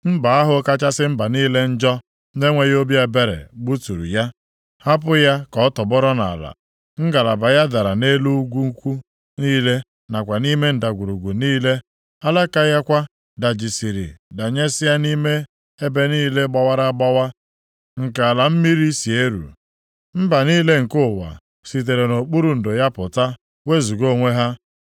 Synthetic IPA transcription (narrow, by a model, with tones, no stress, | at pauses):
m̩˦ba˨a˦ɦʊ˨˦ka˦t͡ʃa˦sɪ˦m̩˦ba˨niː˦le˦n̩˦d͡ʒɔ˦ | ne˦ŋʷe˨jo˦bja˦˨be˦ɾḛ˨ɡ͡bu˦tu˨ɾṵ˨ja˦ | ha˦p̬ʊ˦ja˦kɔ˨˦tɔ˨bɔ˦ɾɔ˦na˨la̰˨ | ŋ̩˦ɡa˨la˨ba˨ja˦da˨ɾa˨ne˦lu˦ɡʷu˦ŋ̩˦kʷu˦ | niː˦le˦ | na˨kʷa˨ni˦me˦n̩˨da˨ɡʷu˨ɾu˨ɡʷu˨niː˦le˦ | a˦la˦ka˦ja˦kʷa˦ | da˨d͡ʒi˨si˨ɾɪ̰˨da˨ɲe˦sɪ˦ja˦ni˦me˦ | e˦be˦niː˦le˦ɡ͡ba˨wa˦ɾa˦ɡ͡ba˦wa˦ | ŋ̩˨ka˨a˨la˨m̩˦mi˦ɾi˦si˨e˦ɾṵ˨ | m̩˦ba˨niː˦le˦ŋ̩˨kʊ˦˨wa̰˨ | si˨t̬e˨ɾe˨no˨k͡pu˦ɾu˦n̩˨dʊ˨ja˦pʊ˨ta˦ | we˦zu˨ɡo˦˨ŋʷe˦ɦa˦